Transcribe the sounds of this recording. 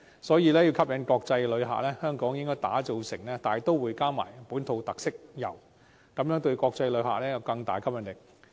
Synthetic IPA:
sɔː˨˥jiː˨˧lɛː˥jiː˧wkʰɐ˥p̚jɐ˨˧˥nkɔː˧k̚t͡sɐ˧jlɵ˨˧ɥɦa̰ː˨k̚lɛː˥hœː˥ŋkɔː˨˥ŋjɪ˥ŋkɔː˥jt̪a̰ː˨˥t͡so˨˧wsɪ˨˩ŋlɛː˥t̪aː˨˩˨t̪o˥wwuː˨˧jkaː˥ma̰ː˨˩jpuː˨˥nt̪ʰo˧wt̪ɐ˨k̚sɪ˥k̚jɐ̰˨˩w | kɐ˨˥mjœː˨˥ŋt̪ɵ˧ɥkɔː˧k̚t͡sɐ˧jlɵ˨˧ɥɦa̰ː˨k̚lɛː˥jɐ˨˩wkɐ˧ŋt̪a̰ː˨jkʰɐ˥p̚jɐ˨nt̪ɪ˨˩k̚

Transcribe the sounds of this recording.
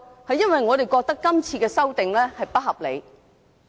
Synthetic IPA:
hɐ˨jɐ˥nwɐ˨jŋɔː˨˧t̪e˨jkɔː˧k̚t̪ɐ˥kːɐ˥mt͡sʰiː˧kɛː˧sɐ˥wt̪ɪ˨ŋlɛː˥hɐ˨jpɐ˥t̚hɐ˨p̚le˨˧j

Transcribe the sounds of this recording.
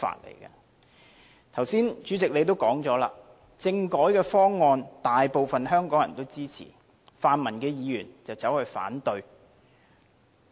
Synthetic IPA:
fa̰ː˨t̚lḛ˨˩jkɐ̰ː˧ | t̪ʰɐ˨˩wsiː˥nt͡ʃyː˨˥t͡sɪ˨k̚le˨˧jt̪̬o˥wkɔː˨˥ŋt͡sɔː˨˥la̰ː˨ | t͡sɪ˧ŋkɔː˨˥jkɛː˧fɔː˥ŋːɔː˧nt̪aː˨jpo˨wfɐ˨nɦœː˥ŋkɔː˨˥ŋjɐ˨˩nt̪o˥wt͡siː˥t͡sʰḭː˨˩ | faː˨˧nmɐ˨˩nkɛː˧jiː˨˧jyː˨˩nt͡sɐ˨wt͡sɐ˨˥whɵ˧ɥfa̰ː˨˥nt̪ɵ˧ɥ

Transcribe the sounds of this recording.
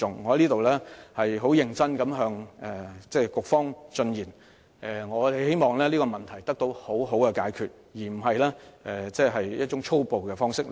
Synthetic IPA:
ʊ˨ŋːɔ˨˧hɐ˨˦liː˥t̪o˨wlɛː˥hɐ˨jɦo˨˥wjɪ˨ŋt͡sɐ˥nkɐ˨˥mɦœː˨˧ŋɛ˨t͡sɛː˥˧kʊ˨k̚fɔː˥ŋt͡sɵ˧njiː˨˩n | ʔɛ˨˩ŋɔː˨˧˨he˥jmɔː˨ŋlɛː˥liː˥kɔ˧mɐ˨nt̪ʰɐ˨˩jt̪ɐ˥k̚t̪o˧who˨˥wɦo˨˥wkɛ˧kaː˧˥jkʰyː˨t̚ | jiː˨˩m̩˨˩ɦɐ˨jlɛː˥ʔɛː˨˩t͡sɛː˥˧ɦɐ˨jjɐ˥t̚t͡ʃʊ˨˥ŋt͡ʃʰo˥wpo˨wkɛː˧fɔː˥ŋsɪ˥k̚

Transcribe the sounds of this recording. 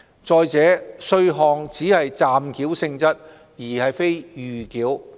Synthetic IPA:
t͡sɔː˨˧jt͡sɛː˨˥sɵ˧ɥɦɔː˨˧ŋt͡siː˨˥hɐ˨jt͡saː˨mkʰiː˨˥wsɪ˧ŋt͡sɐ˥t̚ | jiː˨˩hɐ˨jfe˥jjyː˨kiː˨˥w

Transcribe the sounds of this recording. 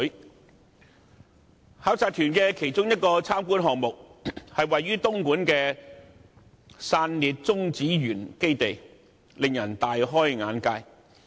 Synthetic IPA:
haː˨˥wt͡saː˧t̪ʰyː˨˩nkɛː˧kʰe˨˩jt͡sʊ˥ŋjɐ˥t̚kɔː˧t͡sʰaː˥mkuː˥nɦɔː˨ŋ̚mʊ˨k̚hɐ˨jwɐ˨jːyː˥t̪ʊ˥ŋkuː˨˥nkɛː˧ | saː˧nliː˨t̚t͡sʊ˥ŋt͡siː˨˥ɥyː˨˩nke˥jt̪e˨j | lɪ˨ŋjɐ˨˩nt̪aː˨jɦɔː˥jŋaː˨˥nkaː˧j

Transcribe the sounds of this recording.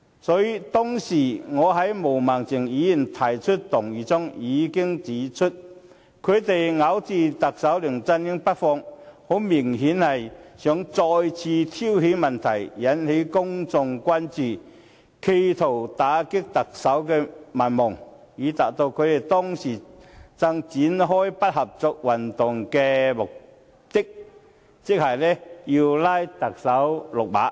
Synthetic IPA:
sɔː˨˧˥ji˧t̪ɔː˥ŋsiː˨˩ŋɔː˨˧ɦɐ˨˥jmo˨˩wmaː˨˩ŋt͡sɪ˨˩ŋjiː˨˧˥ji˨˩nt̪ʰaː˨˩jt͡ʃʰɵ˥t̚t̪ʊ˨˩ŋjiː˨t͡sʊ˥ŋjiː˨˧kɪ˥ŋt͡siː˨˥t͡ʃʰɵ˥t̚ | kʰɵ˨˧ɥt̪e˨jŋɐ˨˥wt͡siː˨˧t̪ɐ˨k̚sɐ˨˥wlʏ˨˩ŋt͡sɐ˧njɪ˥ŋpɐ˥t̚fɔː˧ŋho˨˥wmɪ˨˩ŋɦiː˨˥nhɐ˨jsœ˨˥ŋt͡sɔː˧jt͡sʰiː˧t̪ʰi˥whei˨˧˥jmɐ˨nt̪ʰɐ˨˩jjɐ˨˥nhe˨˥jkʊ˥ŋt͡sʊ˨ŋkʷaː˥nt͡siː˨ | kʰe˧jt̪ʰo˨˩wt̪aː˨˥kɪ˥k̚t̪ɐ˨k̚sɐ˨˥wkɛː˧mɐ˨˩nmʊ˨˩ŋ | jiː˨˧˥t̪aː˨˩t̚t̪o˧wkʰɵ˨˧ɥ̪e˨˩t̪ɔː˥ŋsiː˨˩t͡sɐ˧ŋt͡siː˨˥nɦɔː˥jpɐ˥t̚hɐ˨p̚t͡sɔ˧k̚wɐ˨˩nt̪ʊ˨˩ŋkɛː˧mʊ˨k̚ | t̪ɪ˥k̚ | t͡sɪ˥k̚hɐ˨˩jlɛː˥ji˧wlaː˥jt̪ɐ˨k̚sɐ˨˥wlʊ˨k̚pa̰ː˨˥

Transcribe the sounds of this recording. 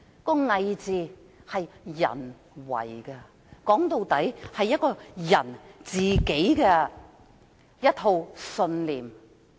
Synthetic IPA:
kɔː˧ŋɐ˨jt͡siː˨˧ | hɐ˨jːɐ̰˨˩n | wɐ̰˨˩jkɛ˧ | kɔː˨˥ŋt̪o˨˧wt̪ɐ˨˥jhɐ˨jːɐ˥t̚kɔː˧jɐ˨˩nt͡siː˨˩ke˨˥jkɛ˧ | jɐ˥t̪̚ʰo˧wsɵ˧nliː˨m

